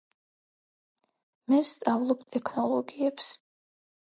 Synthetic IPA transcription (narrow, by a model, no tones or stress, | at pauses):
mɛvst̪sʼavlˠɔbt̪ʼɛkʰnɔlˠɔɡiɛps